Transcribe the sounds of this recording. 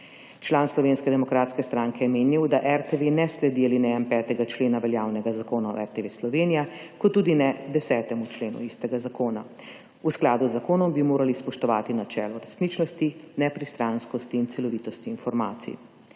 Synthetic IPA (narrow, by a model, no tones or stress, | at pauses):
t͡ʃlaːnslɔʋeːnskɛd̪ɛmɔkɾaːt̪skɛst̪ɾaːŋkɛjɛmeːnjiwd̪aʔɛɾt̪eʋenɛslɛd̪iɛlinɛjampɛːt̪ɛɡat͡ʃleːnaʋɛljaːwnɛɡazakoːnaɔ̰ɛɾt̪eʋeːslɔʋeːnijakɔt̪ːuːd̪inɛd̪ɛsɛːt̪ɛmut͡ʃleːnṵist̪ɛɡazakoːna | usklaːd̪uzːakoːnɔmbimoːɾalispɔʃt̪ɔʋa̰ːt̪inat͡ʃɛ̰ːlɔɾɛsnit͡ʃnɔst̪inɛpɾist̪ɾanskɔst̪iːnt̪sɛlɔʋiːt̪ɔst̪iːnfɔɾmaːt̪sḭ